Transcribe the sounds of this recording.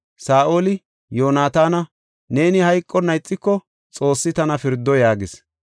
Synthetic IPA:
saːʔo̞ːlɪ | jo̞ːnaːt̪aːnɐ | ne̞ːnɪhɐjkʼːɔnɐjt͡sʼːɪkːɔ | t͡sʼo̞ːsːɪt̪ɐnɐfɪɾd̪ːɔjaːɡɪs

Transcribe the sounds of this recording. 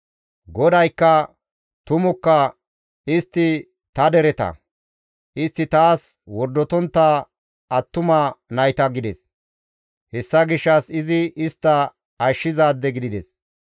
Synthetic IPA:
ɡɔd̪ɐjkːɐ | t̪ʊmʊkːɐ | ɪst̪ːɪ | t̪ɐd̪ɛɾɛt̪ɐ̰ | ʔɪst̪ːɪt̪aːs | wɔɾd̪ːɔt̪ɔnt̪ːa | ɐt̪ːʊmɐnɐjt̪ɐɡɪd̪ɛs | hɛsːɐɡɪʃːɐsɪzɪɪst̪ːɐ | ɐʃːɪzaːd̪ːɛɡɪd̪ɪd̪ɛs

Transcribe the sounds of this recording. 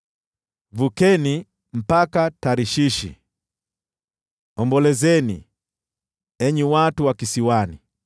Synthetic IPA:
vukɛni | m̩pakataɾiʃiʃḭ | ɔmbɔlɛzɛnḭ | ɛɲuwatuwakisiwani

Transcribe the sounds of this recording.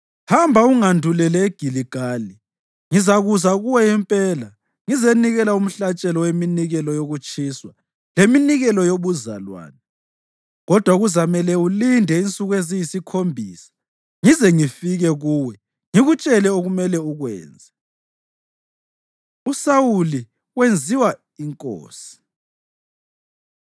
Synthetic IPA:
hambʱauŋandʱulɛlɛeɡ̥ʱiliɡ̥ʱaːli | ŋizaɣuzaɣuwɛjɛmpʼɛːla | ŋizeniɣɛlaum̩ɬat͡ʃʼɛlɔweminiɣɛlɔjoɣut͡ʃʼiːswa | leminiɣɛlɔjoβuza̰lwa̰ːnɛ | ɣɔd̥ʱwaɣuzamɛlɛulindʱɛint͡sʼuɣwezijisikʰombʱiːsḁ | ŋizɛŋifiɣɛɣuwɛ | ŋiɣut͡ʃʼɛlɛoɣumɛlɛuɣwɛ̰ːnd͡zʱɛ | usawuli | wend͡zʱiwa | iŋkʼo̰ːsi̥

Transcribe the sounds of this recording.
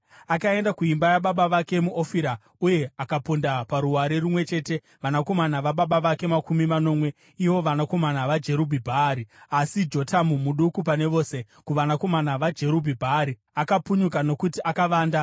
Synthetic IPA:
akae̞ndakuimbajaɓaɓaʋake̞muʔofiɾa | uje̞akapundapaɾuwaɾirumwe̞t͡ʃe̞ːte̞ | ʋanako̞manaʋaɓaɓaʋake̞makumimano̞ːmwe̞ | iʋo̞ʋanako̞manaʋad͡ʒe̞ɾubʱibʱaːɾiasid͡ʒo̞tamumuɗukup̬ane̞ʋo̞ːse̞ | kuʋanako̞manaʋad͡ʒe̞ɾubʱibʱaːɾi | akapuɲukano̞kutiʔakaʋaːnda

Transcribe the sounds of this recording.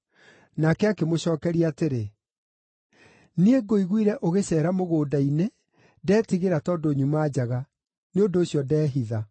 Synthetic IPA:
nakɛakemoɕɔːkɛɾiateɾe | nieɡoiɣwiɾɛʔoɣeɕɛːɾamoɣoːdaine | dɛːtiɣeɾatɔːdoːɲumaːd͡ʑaɣa | neondoːɕjɔdɛːɦiða

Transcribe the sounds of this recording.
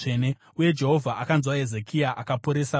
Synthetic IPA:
ene | uje̞d͡ʒe̞ɦo̞vʱaʔakanzwae̞zekʰijaʔakapoɾe̞sa

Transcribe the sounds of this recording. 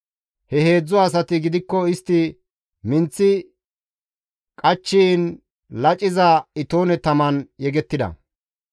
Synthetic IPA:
hɛhe̞ːd͡zːɔːs̬ɐt̪ɪɡɪd̪ɪkːɔɪst̪ːɪ | mɪnt͡sːɪ | kʼɐt͡ʃːin | lɐt͡ʃʼːɪzɐɪt̪oːnɛt̪ɐmɐnjɛɡɛt̪ːɪd̪ɐ̰

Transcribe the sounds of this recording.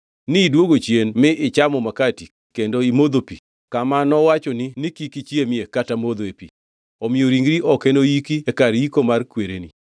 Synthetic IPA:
nɪdwoɡot͡ʃjenmɪʔɪt͡ʃamɔmakati | kendoimod̪opḭ | kamanɔwat͡ʃɔnɪnɪkikit͡ʃiemɪekatamod̪oepḭ | ɔmɪoɾiŋɡɾiʔɔkɛnoikiekaɾikomarkweɾenḭ

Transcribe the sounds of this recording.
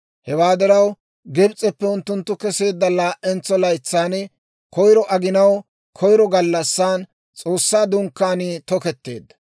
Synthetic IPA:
hɛwaːd̪ɐɾɐw | ɡɛbt͡sʼːɛpːɛʊnt̪ːʊnt̪ːʊkɛse̞ːd̪ːɐlaːʔɛnt͡sːɔlɐjt͡sːaːn | kʰɔjɾɔʔɐɡɪnɐw | kʰɔjɾɔɡɐlːɐsːaːn | t͡sʼo̞ːsːaːd̪ʊŋkːaːnit̪ɔkɛt̪ːe̞̰ːd̪ːɐ̥

